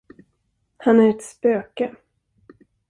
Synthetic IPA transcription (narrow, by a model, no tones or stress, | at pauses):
hanæɾɛt̪spøːkə